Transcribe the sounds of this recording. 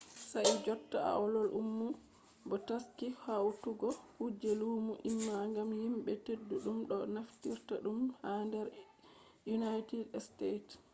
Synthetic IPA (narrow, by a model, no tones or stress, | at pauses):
said͡ʒɔtːaa̰ɔlɔlʔumːu | bɔtaskihawtuɡɔhud͡ʒeluːmuʔimːaŋɡamhimɓɛtedːuɗumɗɔnaftiɾtaɗumhandɛɾ | junajtidstejt